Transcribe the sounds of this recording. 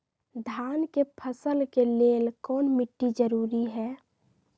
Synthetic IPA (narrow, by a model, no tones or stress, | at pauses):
d̪ʱankepʰəsəlkeleːlkɔːnmɪʈːid͡ʒəɾuːɾiɦɛː